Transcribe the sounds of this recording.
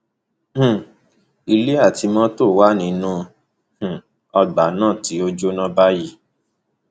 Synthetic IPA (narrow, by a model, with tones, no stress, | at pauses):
h̩˨ | i˧le˦a˦˨ti˧˦mɔ̃˦to˦˨wa˦nĩ˧nũ˦˧ | h̩˨ | ɔ˧ɡ͡ba˨˦nãː˦˨ti˨˦o˦d͡ʒo˦nɔ̃˦ba˦ji˦˨